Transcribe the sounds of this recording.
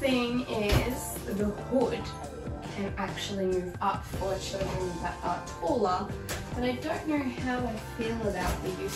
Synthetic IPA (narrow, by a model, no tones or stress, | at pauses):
θɪ̃ŋɪz̥ | ðəhʊd | kʰɨ̃næk̚t͡ʃul̩ˠimʉvʌpfə˞ɨt͡ʃʰɪɾə̃nðə̰ɾ̚ətʰɔlˠəb̥ʌɾaɪdõʊ̃nːoʊhaʊaɪfilˠəbaʊt̪̚ðɨjʉ